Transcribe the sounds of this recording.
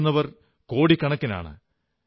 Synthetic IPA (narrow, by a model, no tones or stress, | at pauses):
nːɐʋɐr | ko̞ːɽikːɐɳɐkːɐna̰ːɳɨ̰